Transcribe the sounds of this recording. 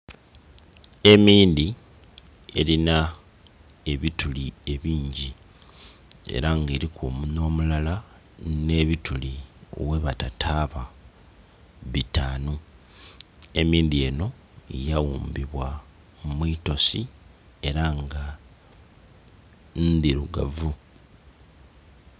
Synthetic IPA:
e̞miːnd̪i | e̞̰lina | e̞βitulie̞βiːɲɟi | e̞̰ɾaŋɡeːɾikumuno̞ːmulala | ne̞βitulio̰we̞βatatʰaβa | βitaːno | e̞miːnd̪ie̞ːno̞ | ejawuːmbiβwa | mumwiːto̞si | e̞ɾaŋɡa | nd̪iɾuɡa̰vu

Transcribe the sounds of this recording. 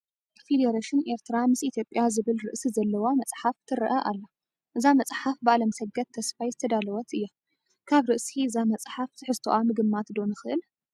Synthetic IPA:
fed̪eɾaʃɪneɾt̪ʰɨɾamɨsit̪ʰjo̞pʼːjazɨβɨlɾɨʔsizɐlːɐwamɐsʼħaft̪ʰɨɾɨʔɐʔa̰lːa | ʔɨzamɐt͡sʼħafbaʔlɐmsɐɡɐt̪ʰːɐsfajzɨt̪ʰɐd̪alɐwɐt̪ɨjːa | kʰaβɾɨʔsiɨzamɐt͡sʼħaft̪ʰɨħɨst̪ʰoʔamɨɡɨmːat̪d̪o̞nɨxɨʔɨl

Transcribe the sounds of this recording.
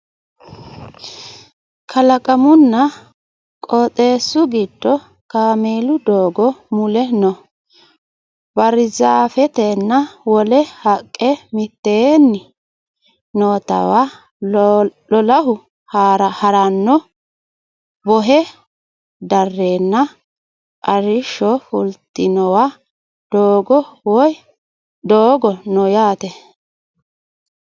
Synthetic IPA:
kʰɐlɐkʼɐmʊnːɐ | kʼɔːt̪ʼe̞ːsːʊɡɪd̪ːɔ | kaːmeːlʊd̪oːɡɔmʊlɛnɔ | bɐɾɪzafɛt̪ɛnːɐwɔlɛhɐkʼːɛmɪt̪ːenːɪ | noːt̪ɐ̰wa | lɔlɐɦʊ | haɾɐhɐɾɐnːɔ | bɔɦɛ | d̪ɐrːeːnːɐ | ʔɐɾɪʃːɔfʊlt̪ːɪnɔwa | d̪̥oːɡɔwɔj | d̪oːɡɔnɔjaːt̪ɛ

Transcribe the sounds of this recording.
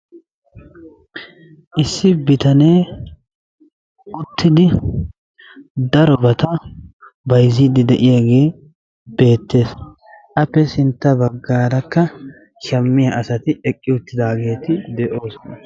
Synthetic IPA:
ʔɪsːɪbɪt̪ɐne̞ː | ʊt̪ːɪd̪ɪ | d̪ɐɾɔbɐt̪ɐ | bɐjzid̪ɪd̪ɛʔɪjaɡe̞ː | be̞ːt̪ːe̞ːs | ʔɐpːɛsɪnt̪ːɐbɐɡːaːɾɐkːɐ | ʃɐmːɪjɐʔɐsɐt̪ɪɛkʼːɪʊt̪ːɪd̪aːɡe̞ːt̪ɪd̪ɛʔo̞ːsɔnɐ

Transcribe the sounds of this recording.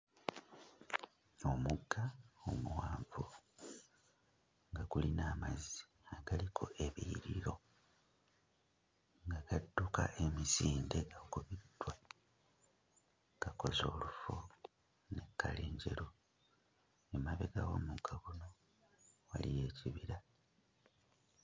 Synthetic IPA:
omuɡːaomuwaːɱvu | ŋɡaɡulinaːmazi | aɡ̥alikʰo̞ʔe̞βiɾiɾo̞ | ŋɡaɡadːuka̰ʔe̞misiːnde̞ɡakuβid̥wa | ɡ̥ako̞zo̞̰ːlufo | ne̞kːa̰leːɲɟe̞̰ɾo | emaβeɡawo̰muɡ̥ːaɣuno̞ | wa̰lije̞ːciβiɾa

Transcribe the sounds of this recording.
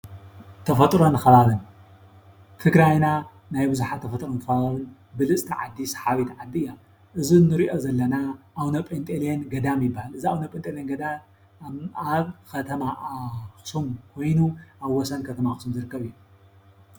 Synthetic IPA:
t̪ʰɐfɐt̪ʼɾo̞nxɐβaβɨn | t̪ʰɨɡɾajna | najbɨzuħat̪ʰːɐfɐt̪ʼɾonxɐβaaβɨn | bɨlɨsʼt̪ʰiʕa̰d̪ːisħaβit̪ʕad̪ːiɨjːa | ʔɨzinɨɾiʔo̞zɐlːɐnaʔawnɐpʼent̪ʼeljenɡɐd̪amjɪbːahalɨziawnɐpʼent̪ʼelijenɡɐd̪a | aβkʰɐt̪ʰɐmaxɨ̥sumkʰo̞jnuʔaβwɔsɐnkʰɐt̪ʰɐmaxɨsumzɨɾɨkːɐβɨjːu

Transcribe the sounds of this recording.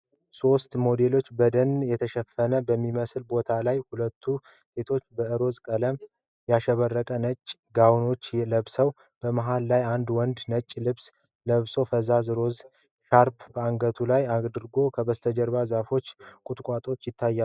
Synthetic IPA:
so̞st̪mo̞d̪e̞lo̞t͡ʃːbəd̪ənjɛt̪ʰəʃəfːənəbəmːiməslbo̞t̪ʰalajhulət̪ʰːu | se̞t̪ʰo̞t͡ʃːbəɨɾo̞zkʼələm | jaʃəβərːəkʼənət͡ʃʼːɡawno̞t͡ʃːləβsəw | b̥əmaɦalːajand̪wɔnd̪nət͡ʃʼːlɨβs | ləβso̞fəzazɨɾo̞z | ʃaɾpb̥əaŋɡət̪ʰulajad̪ɨɾɡo̞kʰəbəst̪ʰəd͡ʒəɾβazafo̞t͡ʃːkʼʊt̪ʼkʷʼat̪ʼo̞t͡ʃːjɪt̪ʰːajːa

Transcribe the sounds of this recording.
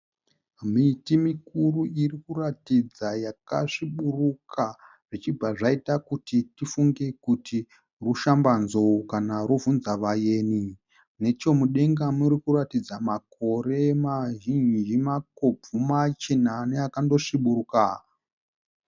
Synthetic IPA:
mitimikuruirikuratid͡zajaka̰ʂiɓurukʰa | ʐ̥it͡ʃibʱaʐaitakutitifuŋɡe̞kuti | ruʃambanzo̞kanaɾuvunzaʋaje̞ːni | ne̞t͡ʃo̞muɗe̞ŋɡamuɾikuɾatid͡zamako̞re̞maʒind͡ʒimako̞b͡vumat͡ʃenanejakando̞ʂiɓuruka

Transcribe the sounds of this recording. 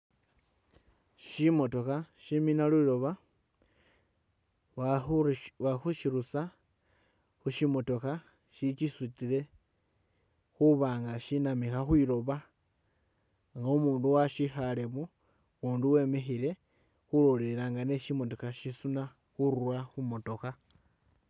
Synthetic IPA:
ʃimo̞to̞kaʃiminalwiɾo̞βa | waxuʃiɾusa | xuʃimo̞to̞ka | ʃit͡ʃisutile̞ | xuβaːŋɡaʃinamixaxwiɾo̞βa | ŋɡaumuːnduwaʃixaleβu | uːnduwe̞ːme̞xile̞ | xuloleɾaːŋɡane̞ʃimo̞to̞kaʃisuna | xuɾwaxumo̞to̞ka

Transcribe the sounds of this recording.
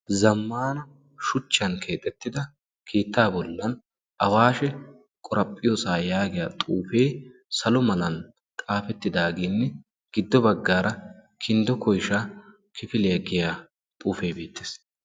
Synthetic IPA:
zɐmːaːnɐ | ʃʊt͡ʃːɐnkʰe̞ːt̪ʼːɛt̪ːɪd̪ɐ | kʰiːt̪ːaːbɔlːɐn | ʔɐwaːʃɛ | kʼɔɾʔɐpʼːɪjoːsaːjaːɡɪjat̪ʼuːfe̞ːsɐlɔmɐnɐn | t̪ʼaːfɛt̪ːɪd̪aːɡeːnːɛ | ɡ̥ɪd̪ːɔbɐɡːaːɾʔɐ | kʰɪnd̪ɔkɔjʃa | kʰɪfɪlɪjɐɡɪjaː | t̪ʼuːfe̞ːbeːt̪ːe̥ːs

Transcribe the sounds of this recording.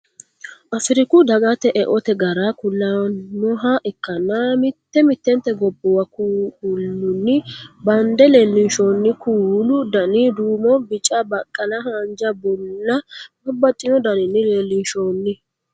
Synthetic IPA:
ʔɐfɪɾɪkʊd̪ɐɡɐt̪ɛʔɛʔɔt̪ɛɡɐɾakʊlːanɔɦɐʔɛkːɐnːamɪt̪ːɛmɪt̪ːɛnt̪ːɛɡɔbːɔwɐkulːʊnːɪbɐnd̪ɛleːlːɪnʃoːnːɪkʰuːlʊd̪ɐnid̪uːmɔbɪt͡ʃʼːɐbɐkʼːɐnɐhɐnd͡ʒɐbɔlːɐmɐbːɐt̪ʼːɪnɔd̪ɐnɪnːɪleːlːɪnʃoːnːɪ

